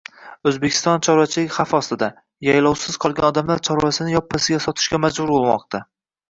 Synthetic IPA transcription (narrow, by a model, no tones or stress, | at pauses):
ɵzbekʲʰɪ̥st̪ɒnt͡ʃʰɒɾat͡ʃʰɪlɪkʲχafɒst̪ɪd̪a | jajlɒwsɪz̥qʰɒlˠɡʲa̰nɒd̪amlaɾt͡ʃʰɒɾwasɪnɪjɒpʰːasɪɡʲasɒt̪ʰɪ̥ʃɡʲamad͡ʒbʊɾbolˠmɒ̰q̚t̪ʰa